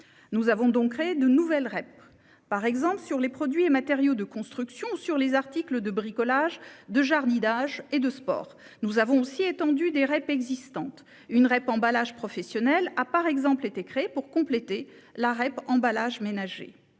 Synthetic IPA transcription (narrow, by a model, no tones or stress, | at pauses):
nuzavɔ̃d̪ɔ̃kχeed̪ənuvɛlʁɛp̚ː | aʁɛɡzɑ̃plsyʁlepχɔd̪ɥiemat̪ɛʁjod̪əkɔ̃st̪χyksjɔ̃syʁlezaʁt̪ikləd̪əbʁikɔlaʒd̪əʒaʁd̪id̪aʒed̪əspɔ̰ːʁ | nuzavɔ̃osiet̪ɑ̃d̪yd̪eʁɛpɛɡzist̪ɑ̃t̪ | ynʁɛpɑ̃balaʒpχɔfɛsjɔnɛlapaʁɛɡzɑ̃plet̪ekχeepuʁkɔ̃plet̪e | laʁɛpɑ̃balaʒmenaʒḛ